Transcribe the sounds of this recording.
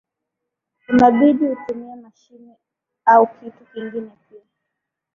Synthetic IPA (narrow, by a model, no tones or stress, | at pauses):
unaɓiɗihutumiamaʃini | aukʰitukiŋɡinɛpia